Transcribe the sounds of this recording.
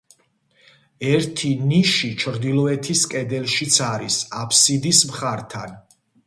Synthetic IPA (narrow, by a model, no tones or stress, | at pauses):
ɛɾt̪ʰiniʃit͡ʃʰɾd̪ilˠɔɛt̪ʰiskʼɛd̪ɛlʃit̪sʰaɾisapʰsid̪ismχaɾt̪ʰa̰n